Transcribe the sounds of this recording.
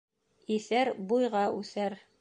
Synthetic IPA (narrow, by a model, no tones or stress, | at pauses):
iθæɾbujʁɑʉθæɾ